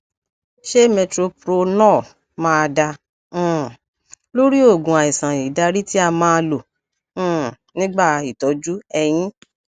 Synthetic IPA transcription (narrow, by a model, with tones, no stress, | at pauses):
ʃe˦mɛ˧tɾo˧pɾo˧nãː˦˨ | mãː˦a˧dã˧˦˨ | lo˦ɾi˦o˦˨ɡũ˨a˨i˨sã˨i˨da˧ɾi˦ti˦a˧mãː˦˧lõ˨˦˨ | nĩ˦ɡ͡ba˦˨˧i˨tɔ˨˦d͡ʒu˦ɛ˧j̃ĩ˦